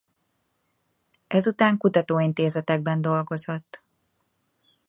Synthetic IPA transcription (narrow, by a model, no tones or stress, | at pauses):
ʔɛzut̪aːŋkut̪ɒt̪oːint̪eːzɛt̪ɛɡ̚bɛnd̪o̞lɡo̞zot̪ː